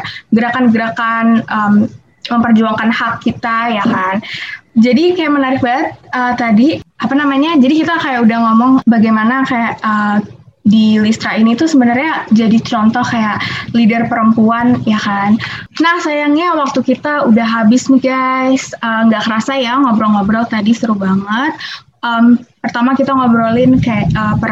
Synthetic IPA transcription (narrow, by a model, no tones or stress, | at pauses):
ɡəɾakanɡəɾakanʔəm | məmpərd͡ʒuaŋkanhakːit̪ajakand͡ʒadikajaʔmənaɾɪk̚baət̪̚ət̪ːadiʔapanamaɲad͡ʒadikit̪akajaʔudahŋɔmɔŋbaɡajmanakajaʔə | dilist̪ɾainit̪usəbənərɲad͡ʒadit͡ʃɔnt̪ɔhkajaʔlidərpəɾəmpuanjakannahsajaŋɲawak̚t̪ukit̪audaɦabɪsniɡajsəŋɡaʔkəɾasajaŋɔbɾɔlŋobɾɔlt̪adist̪əɾuhbaŋət̪̚ | əmpərt̪amakit̪aŋɔbɾolɪnkajaʔəpə